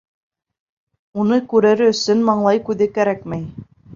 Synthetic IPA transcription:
unɤkʉɾɘ̆ɾɘɵ̆sɵnmɑɴlˠɑjkʉðɘkæɾækmæj

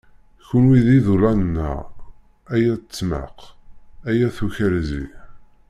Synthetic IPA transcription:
çənwiðiðulænnːə̰ʁ | æjæt͡sːmə̰qæjæθuçælzḭ

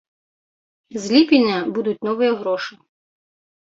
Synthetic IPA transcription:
zʲlʲipʲɪnʲːɐbud̪ʊt̚ʲnɔʋɪjɛɦɾɔʃɪ

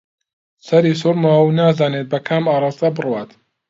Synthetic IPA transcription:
sɐɾiːs̬uɾmɐwwnaːzaːnet̪̚bɐkʰaːmaːɾˤɑːst̪ɐbɨrwaːt̪

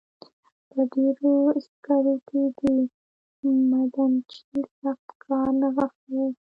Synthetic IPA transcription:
pəɖeɾoɪst̪kɑɾoked̪ə | mad̪ant͡ʃisaxt̪kʰɑɾnaɣax

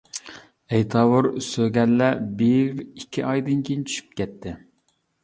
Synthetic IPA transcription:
ɛjt̪ʰɑːwuɾsøɡʲɛlːɛbiɾikʲʰːiʔɑjd̪ɨnkʲʰijnt͡ʃʰy̥ʃy̥p̚kʲʰɛt̪ʰːɪ

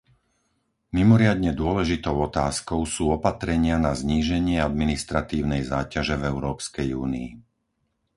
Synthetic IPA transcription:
mimɔɾɪad̪ɲɛd̪ʊɔlɛʒit̪ɔʊɔt̪aːskɔʊsuːɔpat̪ɾɛɲɪanazɲiːʒɛɲɪɛad̪minist̪ɾat̪iːʊnɛjzaːcaʒɛvɛʊɾɔːpskɛjuːniː

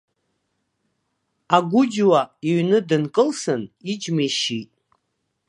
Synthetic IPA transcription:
aɡʷʊd͡ʒwaiɥnɨdɨnkʼɨlsɨnid͡ʒmeʃitʼ

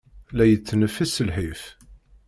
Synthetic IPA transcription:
læjət͡sːnəfːisəlħif

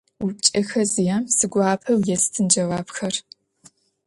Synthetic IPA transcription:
wʊp̚t͡ʃʼɐxɐzijaːmsɨɡʷaːpʰɐwjɛstʰɨnd͡ʒɐwaːbxɐr

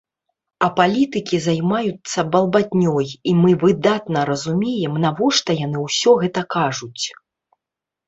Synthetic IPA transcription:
ɐpalʲit̪ɨkʲizajmajut̪sːɐbɐlˠbadʲnʲɔjimɨvɨd̪at̪nɐɾɐzumʲɛjɛmnavɔʂt̪ɐjan̪ɨwsʲɔɣɛt̪ɐkaʐut͡sʲ

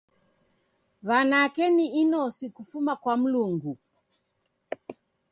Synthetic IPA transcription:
βanakɛniinɔsikufumakwam̩luŋɡu

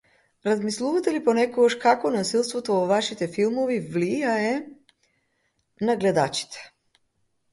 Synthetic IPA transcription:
ɾazmislˠuvat̪ɛlipɔnɛkoɡaʃkakɔnasilˠst̪vɔt̪ovɔvaʃit̪ɛfilˠmɔvivlijaɛ | naɡlɛd̪a̰t͡ʃi̥t̪ʰɛ̥

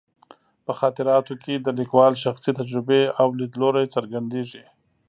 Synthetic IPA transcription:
pəxɑːt̪ɪɾɑːt̪okʰed̪əlikwɑːlʃaxsit̪ad͡ʒɾɪbeawlid̪loɾajt͡saɾɡand̪eːʐi

